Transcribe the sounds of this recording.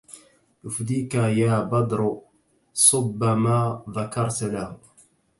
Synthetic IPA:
jʊfd̪iːkajaːbɑd̪ɾ | sˤʊbːamaːðakɑɾˤt̪lahʊ

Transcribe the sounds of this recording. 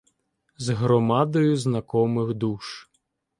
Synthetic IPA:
zɦɾɔmɑd̪ɔjʊznɐkɔmɪxd̪uʃ

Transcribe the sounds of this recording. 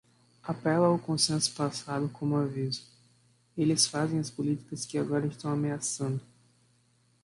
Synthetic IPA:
apɛlɐʊkõsẽsʊ̥pasad̪ʊkʰõmʊavizʊ̥ | elɪsfazẽj̃ɐspʊlit̪i̥kɐskɪaɡɔɾɐɪʃt̪ɐ̃w̃ameasɐ̃nd̪ʊ

